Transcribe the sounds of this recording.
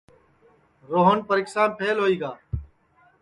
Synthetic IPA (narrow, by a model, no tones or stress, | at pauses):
ɾoːɦənpəɾɪːksaːnpʰeːlɦoːiːɡaː